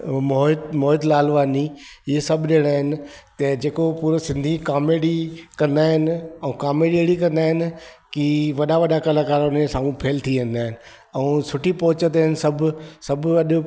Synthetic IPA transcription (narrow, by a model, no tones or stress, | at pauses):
moɦɪt̪moːɪd̪laːlʋaːniɪesɐbʱɗeːɽ̃aːɦɪnɪ̆t̪ɐd͡ʑeːkopuːɾosɪ̃nd̪ʱikaːmeːɽikɐ̃nd̪aːɦɪnɪ̆ɛ̃ũkaːmeːɽeɽikɐ̃nd̪aːɦɪnɪ̆kiʋɐɗaʋɐɗakɐlakaːɾʊnesãːŋɡũpʰeːlt̪ʰiʋẽːnd̪aːɦɪnɪ̆ | ɛ̃ũsʊʈʰipɔɦʊt͡ɕət̪əɦɪnɪsɐbʱsɐbɐɗʊ